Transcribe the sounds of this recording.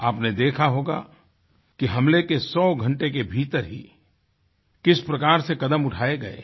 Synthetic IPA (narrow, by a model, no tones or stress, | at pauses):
aːpned̪eːkʰaɦoːɡa̰ | kiɦɐmlekesɔːɡʱɐ̃ɳʈek̬ebʱiːt̪əɾɦḭ | kɪspɾɐkaːɾsekɐd̪əmʊʈʰaːeɡɐḛː